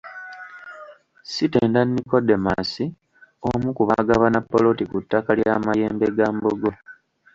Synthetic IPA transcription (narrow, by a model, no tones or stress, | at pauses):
site̞ːndanːiko̞dːe̞ma̰si | omukuβaɡaβanapːolo̞tikutːakaljaːmajeːmbe̞ɡaːmboɡo̞